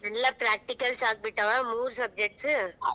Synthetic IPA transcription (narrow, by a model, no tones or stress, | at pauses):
nɐlːɐpɾaːk̚ʈikɐlsaːk̚bɪʈːɐʋamuːɾsɐb̚d͡ʒɛk̚ʈsɯ